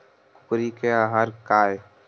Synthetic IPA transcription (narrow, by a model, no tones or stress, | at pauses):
kʊ̥kɾikeaːɦaɾkaːje